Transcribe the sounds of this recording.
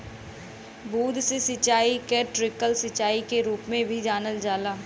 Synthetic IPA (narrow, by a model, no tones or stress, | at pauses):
buːd̪sesɪt͡ʃaːikeʈɾɪkəlsɪt͡ʃaːikeɾuːpmẽbʱid͡ʒaːnəld͡ʒaːlaː